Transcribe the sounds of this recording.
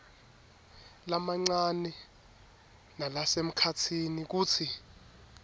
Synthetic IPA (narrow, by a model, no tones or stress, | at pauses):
lamaŋ͡ǀanɛ | nalasem̩kʰatʰinik̬uːt͡sʰi